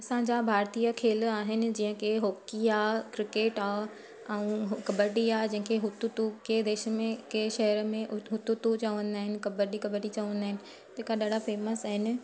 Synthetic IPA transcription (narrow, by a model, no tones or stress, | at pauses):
ɐsãɲd͡ʑabʱaːɾt̪ijəkʰeːlaːɦɪnɪ̆d͡ʑĩːə̃keɦoːkiaːkɾɪkeːʈaː | ɛ̃ũɦkɐbəɾʈiaːed͡ʑɐ̃ɦɪ̃kʰeɦʊt̪ut̪uked̪eːʃəmẽkeʃɐɦəɾəmẽɦʊt̪ut̪ut͡ɕɐʋə̃nd̪aːɦɪnɪ̆kɐbəɾʈikɐbəɾʈit͡ɕɐʋə̃nd̪aːɦɪnɪ̆ | t̪eːkaɗaːɖ̤ʱafeːməsaːɦɪnɪ̆